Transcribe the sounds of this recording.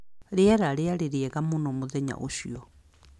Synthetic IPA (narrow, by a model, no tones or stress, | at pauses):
ɾeɛɾaɾeaɾeɾeɛɣamonomoðɛɲa̰ʔo̰ʃiɔ